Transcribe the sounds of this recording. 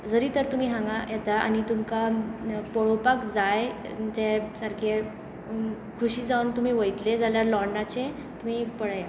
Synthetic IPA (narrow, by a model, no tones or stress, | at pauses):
d͡zəɾiːt̪əɾt̪um̤iːɦãŋɡajɛt̪aa̰nit̪umkapɔɭopakd͡zaj | d͡ʑesəɾkʰe | kʰuɕiːd͡zaunt̪um̤iːʋəjt̪led͡zaljaɾlɔɾnat͡ɕe | t̪um̤ipəɭaja